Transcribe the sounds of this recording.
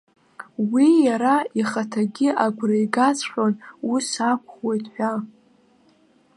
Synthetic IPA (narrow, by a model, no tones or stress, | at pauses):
wijaɾaiχatʰaɡʲɪʔaɡʷrejɡat͡sʰʼħʷʲᶣonusakʷʰχwe̞jtʰħʷᶣa